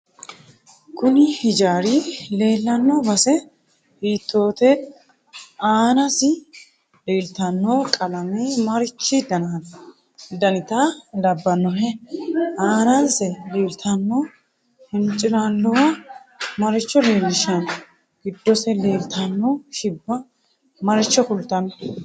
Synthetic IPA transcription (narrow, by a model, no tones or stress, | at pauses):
kʊnɪhɪd͡ʒaːɾiːle̞ːlːɐnːobɐsɛ | hiːt̪ːo̞ːt̪ɛ | aːnɐsɪ | leːlt̪ɐnːoːkʼɐlɐmeːmɐɾɪt͡ʃːɪd̪ɐnaːn | d̪ɐnɪt̪alɐbːɐnːɔɦɛ | aːnɐnsɛleːlt̪ʰɐnːoː | hɪnt͡ʃʼːɪlalːɔwɐmɐɾɪt͡ʃːɔle̞ːlːɪʃɐn | ɡ̥ɪd̪ːɔsɛle̞ːlt̪ʰɐnːɔʃɪbːɐ | mɐɾɪt͡ʃːɔkʊlt̪ɐnːɔ̥